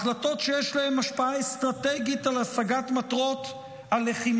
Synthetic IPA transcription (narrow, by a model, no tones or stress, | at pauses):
χlato̞tʃejeʃlahemaʃpaaest̪ʁateɡitalasaɡatmat̪ʁo̞t | aleχim